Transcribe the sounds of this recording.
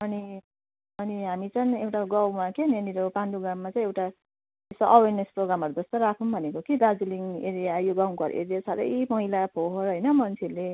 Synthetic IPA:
ʌni | ʌniɦamit͡sʌnewʈaɡʌwmakeneniɾopanduɡamːat͡sʌĩewʈa | esoʔʌwernesproɡɾamʌɾud͡zʌst̪oɾakʰunbʱʌnekokid̪ad͡zuliŋeɾijajoɡaw̃kʌɾ̰ḛɾijasaɾʌ̰jmʌɦilapʰoɦʌɾɦʌjnʌmʌnt͡sʰele

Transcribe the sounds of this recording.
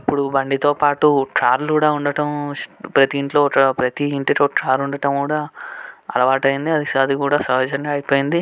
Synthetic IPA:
ɐpːuɽubɐɳɖit̪o̞ːpaːʈuʈɾaːɾlkuːɽaːuɳɖɐʈɐmpɾɐt̪iːɳʈloːpɾɐt̪iːɳʈiʈo̞ːʈɾaːɾuɳɖɐʈɐmkuːɽaːɐ̰lɐʋaːʈɐjind̪iɐd̪isaːd̪ikuːɽaːsɐɦɐd͡ʒɐnɡaːjipoːjind̪i

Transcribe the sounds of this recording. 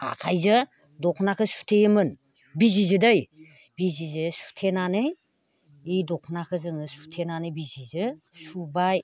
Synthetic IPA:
a̰kʰajzɯ | dɔkʰnakʰɯsu̥tʰejɯmɯn | bizizɯdɯj | bizizɯsu̥tʰenanɯj | ijdɔkʰnakʰɯzɯŋɯsu̥tʰenanɯjbizizɯsubaj

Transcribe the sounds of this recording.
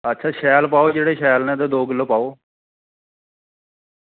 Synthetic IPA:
ətːʃʰaːʃɛːlpaːoːd͡ʒeːɽeːʃɛːlnɛ̃ːd̪eːd̪oːɡəlopaːoː

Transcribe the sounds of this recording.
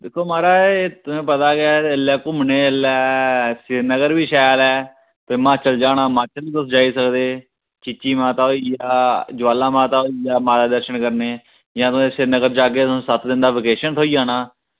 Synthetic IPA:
d̪ɪkʰːoːmaːɾaːet̪ɛ̃ːpət̪aːkɪɛːəlɛːkʊmneːəlɛːsɪɾnəɡəɾbiːʃaːjlɛː | t̪emãːt͡ʃəld͡ʒaːnaːmãːt͡ʃəld̪əsd͡ʒaːiːsəkd̪eː | t͡ʃɪt͡ʃːiːmãːt̪aːoijaːd͡ʒəʋaːlãːmãːt̪aːɦoijaːmaːɾaːd̪əɾʃənkəɾneː | jãːt̪ːeːsɪɾnəɡəɾd͡ʒaːɡẽːsət̪ʰd̪ɪnd̪aːʋɪːkeːʃənt̪ʰoːiːaːnaː

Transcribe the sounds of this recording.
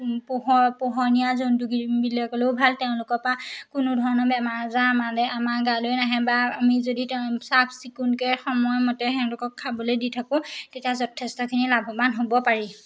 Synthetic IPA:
pɦɔpɔɦɔnijazonduɡibilɔkɔleʊbʱaltɛʊ̃lʊkɔɹpakʊnʊdʱɔɹɔnɔbɛmaɹzãmadɛamaɡalojnaɦɛbaamizoditsapʰsikunkɔjxɔmɔjɔmɔtɛɦɛ̃lʊkɔkʰːabɔlojditʰakʊ̃tetijazɔtʰɛstɔkʰinilabʱɔmanɦobɔpaɹi

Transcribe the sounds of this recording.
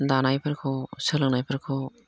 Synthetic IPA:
danajpʰaɾkʰɔsɯlɯŋnajpʰaɾkʰo

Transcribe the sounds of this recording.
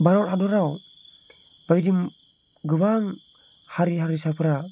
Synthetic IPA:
baɾaɾadoɾaw | baidim | ɡəbaŋ | haɾiɦaɾisapəɾa

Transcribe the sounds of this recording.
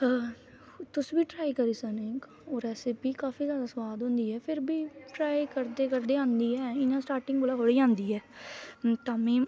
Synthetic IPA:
t̪ʊsbiːʈɾaːikəɾiːsaːnẽːk | oːɾɛːsɪpiːkaːfiːzjaːd̪aːsəʋaːd̪ɦõːnd̪iːɛːpʰɪɾbiːʈɾaːikəɾd̪eːkəɾd̪eːãːnd̪iːɛːɪnãːsʈaːɾʈɪŋɡbolaːɦoːɽiːãːnd̪iːɛː | t̪ãːmẽː

